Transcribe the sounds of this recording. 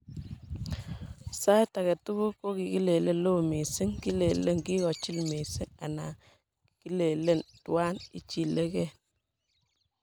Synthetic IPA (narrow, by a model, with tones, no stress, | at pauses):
sa˦ta˨kɛ˨tu˦ku˦ko˦ki˨ki˦le˨le˦lo˦˨me˨si˦ŋki˦le˨le˦ŋki˦kɔ˨t͡ʃi˦lme˨si˦ŋa̰˨na̰˨ | ki˦le˨le˦˨ntu˦a˦nḭ˦t͡ʃi˨le˦kɛ˦˨n